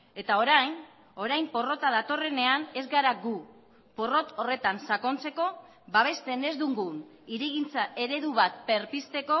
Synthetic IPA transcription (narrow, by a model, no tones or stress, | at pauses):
e̞t̪ao̞ɾajn | o̞ɾajmpo̞ro̞t̪aðat̪o̞re̞ne̞ane̞zɡaɾaɡu | po̞ro̞t̪o̞re̞t̪ansako̞nt͡se̞ko̞ | baβ̞e̞st̪e̞ne̞zd̪uŋɡun | iɾiɣint͡saʔe̞ɾe̞ðuβat̪̚pe̞ɾpist̪e̞ko̞